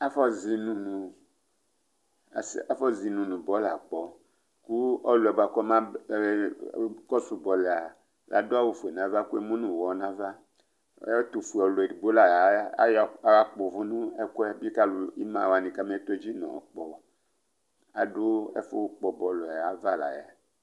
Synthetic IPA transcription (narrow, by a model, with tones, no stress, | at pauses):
a˦fɔ˦zi˨nũ˨nũ˨ | sa˦fɔ˦zi˨nũ˨nũ˨bɔ˦la̰˨k͡pɔ˨ | ku˦ɔ˦lo˨ɛ˨ba˨kɔ˦mã˦˨˦ | kɔ˦su˨bɔ˨lɛ˨a˨ | lʔa̰˨do˦a˦wo˦fu˨e˨nã˦va˦ku˦e˦mũ˦nũ˨wɔ˨˦nã˦va˦ | t̪o˨fu˨ɔ˨lo˨ɛ˨di˨bo˦la˨ja˨˦ja˦k͡po˨vu˦nũ˦ɛ˦ko˦ɛ˦bi˦ka˦lu˨i˦mã˨wa˨nĩ˨ka˦me˦t̪o˦d͡ʑi˦nɔ̰̃˨k͡pɔ˨˦ | a˨do˦ɛ̰˦fo˦k͡pɔ˨bɔ˨lɔ˨a˨va˦la̰˨ja˨